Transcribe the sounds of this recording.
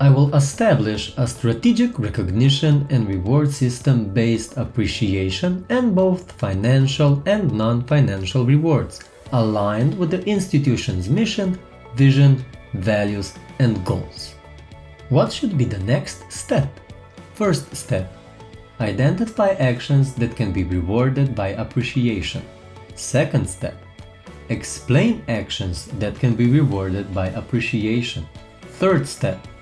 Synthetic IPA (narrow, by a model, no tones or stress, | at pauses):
aɪwɪlˠəstæblɪʃəstɹɨtid͡ʒɪkɹɛkɨɡnɪʃɨ̃nɛ̃nɹɪwɔɹdsɪstə̃mbeɪstəpɹiʃieɪʃə̃nɨ̃nboʊθfãɪnæ̃nʃəlˠɛ̃nnɑ̃nfãɪnæ̃nʃl̩ˠɹɪwɔɹdz̥ | əlãɪ̃ndwɨðiʔɪ̃nstɨtʰjuʃɨ̃nzmɪʃɨ̃n | vɪʒɨ̃nvælˠjuzɛ̃nɡoʊlˠz̥ | wʌtʃʊd̪̚biðənɛkststɛp | fɜ˞ststɛp̚ | aɪdɛ̃ntɨfajʔækʃə̃nzðɨt̪̚kʰɛ̃nbiɹɪwɔɹdɨd̚bajəpʰɹiʃieɪʃə̰̃n | sɛkə̃ndstɛp | ɛksplẽɪ̃nækʃə̃nzðætkʰɛ̃nbiɹɪwɔɹdɨd̚bajʔəpʰɹiʃieɪʃə̃n | θɜ˞dstɛp̚